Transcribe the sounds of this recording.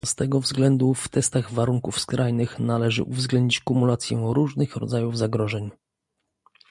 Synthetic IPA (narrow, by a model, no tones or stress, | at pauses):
st̪ɛɡɔvzɡlɛnd̪uft̪ɛst̪aɣvaɾuŋkufskɾʔajnɘxnalɛʐɘ̰ʔuvzɡlɛnd̪ɲit͡ɕkumulat̪sʲjɛ̰ɾuʐnɘxɾɔ̰d̪zajuvzaɡɾɔʐɛɲ